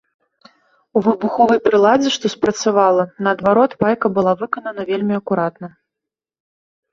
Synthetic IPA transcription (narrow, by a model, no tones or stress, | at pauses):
uvɨbuxɔvɐjpɾɨlˠad͡zʲɛʂt̪ɔspɾɐt̪savalˠɐnɐːd̪vaɾɔt̪vajkɐbɨlˠavɨkɐnɐnɐvʲelʲmʲiɐkuɾat̪nɐ